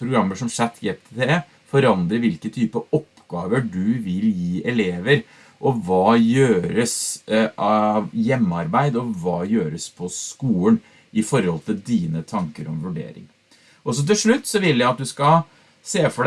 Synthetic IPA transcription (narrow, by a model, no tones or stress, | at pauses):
pʰɾʊɡɾɑmːəʂɔmʂæt̪ʰːjɛpt̪ʰt̪ʰe | fɔɾɑnd̪ɾəʋɪlkət̪ʰyːpəɔpːɡ̥ɑːʋəɖʉʋɪljiːʔɛleːʋəɾ | ʔɔʋɑːjøːɾəsɑʋjɛmːɑɾbæɪd̪ɔʋɑːjøːɾəspʰɔskuːən | ʔɪfɔɾhɔlt̪ʰɪld̪iːnət̪ʰɑŋkəɾɔmʋʉɖḛːɾɪ̰ŋ | ʔɔsɔt̪̬ɪlʂɭʉt̪ːsɔʋɪlːjæɪɑt̪̚d̪ʉskɑ | seːfɔɖ